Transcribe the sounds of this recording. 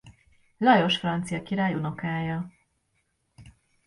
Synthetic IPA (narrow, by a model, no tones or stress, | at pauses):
lɒjo̞ʃfrɒnt̪sijɒkiɾaːjuno̞kaːjɒ